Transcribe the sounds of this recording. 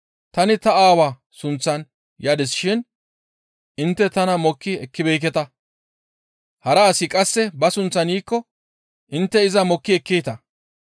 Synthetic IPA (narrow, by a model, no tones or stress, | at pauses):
t̪ɐnɪt̪ɐaːwaː | sʊnt͡sːɐn | jaːd̪ɪsɪʃɪn | ʔɪnt̪ːɛt̪ɐnɐmɔkːɪɛkːɪbɛjk̬ɛt̪ɐ | hɐɾɐːsɪkʼɐsːɛbɐsʊnt͡sːɐniːkːɔ | ʔɪnt̪ːɛɪzɐmɔkːɪɛkːejt̪ɐ